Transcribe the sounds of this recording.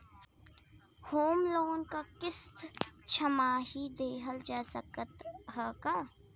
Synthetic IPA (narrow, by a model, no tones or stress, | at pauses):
hoːmloːnkakɪst̪t͡ʃʰəmaːɦid̪eːɦəld͡ʒaːsəkət̪ɦəːkaː